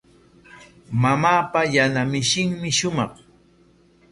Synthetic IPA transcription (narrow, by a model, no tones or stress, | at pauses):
mamaːpajanamɪʃɪŋmɪʃʊmɑχ